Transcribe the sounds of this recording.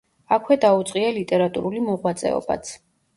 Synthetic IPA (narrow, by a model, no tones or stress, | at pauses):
akʰwɛd̪aut̪sʼqʼialit̪ʼɛɾat̪ʼṵɾulimɔʁwat̪sʼɛ̰ɔ̰ba̰t̪sʰ